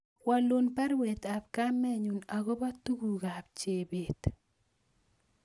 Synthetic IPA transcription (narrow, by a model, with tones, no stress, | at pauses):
wa˨lo˦npɛ˦ɾwe˨t̪a˨pka˦mɛ˦ɲu˨na˨ɡo˦ba˦tu˦ɡu˨ɡa˨pt͡ʃe˨be˨t̪